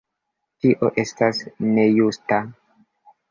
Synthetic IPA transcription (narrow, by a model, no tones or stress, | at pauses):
tiʔo̞ʔe̞stasne̞justa